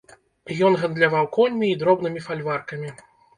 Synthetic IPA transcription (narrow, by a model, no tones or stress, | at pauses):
jɔnɣɐnd̪lʲavawkɔlʲmʲiːd̪ɾɔbnɨmʲifalʲvarkɐmʲi